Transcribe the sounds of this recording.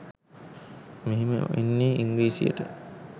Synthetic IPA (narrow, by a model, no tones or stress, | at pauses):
meɦimə̰enːiːiŋɡliːsḭə̰ʈə